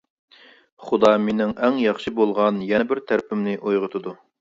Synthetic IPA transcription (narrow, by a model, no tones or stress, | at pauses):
χʊd̪ɑmenɪŋɛŋjɑχʃɨbolˠʁɑnjɛnɛbɪɾt̪ʰæɾpʰɪmnɪʔojʁət̪ʰɨd̪u